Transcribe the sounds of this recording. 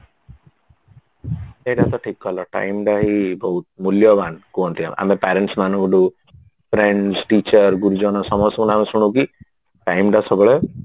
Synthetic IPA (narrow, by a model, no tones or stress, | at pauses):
eɖat̪ɔʈʰikːɔlɔʈa̰jmɖaɦibɔɦut̪̚muljɔbankuɔnt̪ʰia̰mʔa̰mepaɾeɳʈsmanɔ̃ŋkɖu | pʰɾeɳɖsʈit͡ʃəɾɡuɾud͡ʒɔnɔsɔmɔst̪ɔkunamesuɽ̃uki | ʈajmɖasɔbɔɭe